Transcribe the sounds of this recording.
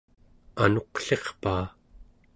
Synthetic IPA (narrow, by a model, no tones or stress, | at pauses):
ano̞qɬe̞χpaː